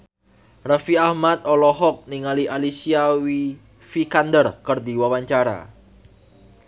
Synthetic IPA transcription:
rafiahmat̪̚ɔlɔɦɔk̚niŋaliʔalisiawi | fikand̪ərkərd̪iwawaɲt͡ʃaɾa̰

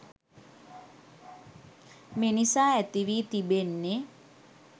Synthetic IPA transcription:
menisaːæt̪iʋiːt̪ibenːe

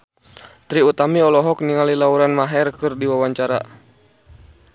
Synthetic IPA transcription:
t̪ɾiut̪amiɔlɔɦɔk̚niŋalilauɾanmaɦɛrkɨrdiwawaɲt͡ʃaɾa̰

